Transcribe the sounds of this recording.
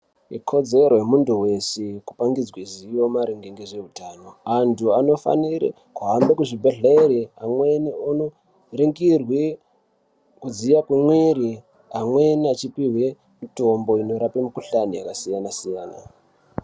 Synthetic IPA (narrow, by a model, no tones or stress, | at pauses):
ḭkʰo̞d͡ze̞rojemunduwe̞seku̥paŋɡid͡zwazijo̞maɾeŋɡeŋɡeʐe̞ɦutaːno̞antʰuano̞fa̰niɾḛ | kuɦambekuʐibʱeɮeɾiamweniono | reŋɡirwe | kud͡zijakwemweɾi | amweniat͡ʃipiɦwe | mito̞mbo̞ino̞ɾapemikuɬanija̰kasijanasijaːna̰